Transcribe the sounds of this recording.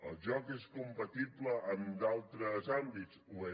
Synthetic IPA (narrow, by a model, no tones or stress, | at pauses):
ə̰lˠʒɔkeskumpət̪ibləʔːmd̪alˠt̪ɾəzambit͡soe